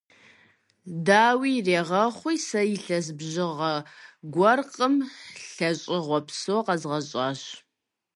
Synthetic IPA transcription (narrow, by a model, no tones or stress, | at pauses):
daːwiːreːʁɐχʷijsɐjɪɬɐz̬bʑɪʁɐɡʷɔrqʼəmɬɐɕʼɪʁʷɔpʰsoqɐzʁɐɕʼɑːɕ